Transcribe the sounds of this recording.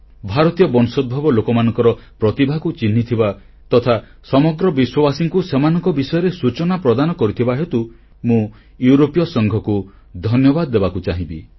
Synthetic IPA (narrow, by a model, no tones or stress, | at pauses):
bʱaɾɔt̪ijɔbɔnsɔd̪̚bʱɔbɔlokɔmanɔ̃ŋkɔɾɔpɾɔt̪ibʱakut͡ʃinːit̪ʰiba | t̪ɔt̪ʰa | sɔmɔɡɾɔbiswɔbasiŋkusemanɔ̃ŋkɔbisɔjɔɾesut͡ʃɔnapɾɔd̪anɔkɔɾit̪ʰibaɦet̪u | mũ | juɾopijɔsɔŋɡʱɔku | d̪ʱɔnjɔbad̪ɔːebakut͡ʃaɦĩbḭ